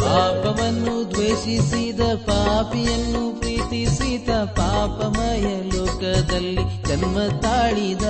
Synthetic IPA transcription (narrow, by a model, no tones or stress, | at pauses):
paːpɐʋɐnːud̪ʋeːʂisid̪ɐpaːpijɐnːupɾiːt̪isid̪ɐpaːpɐmɐjɐloːkɐd̪ɐlːiɡɐnmɐt̪aːɭid̪ɐ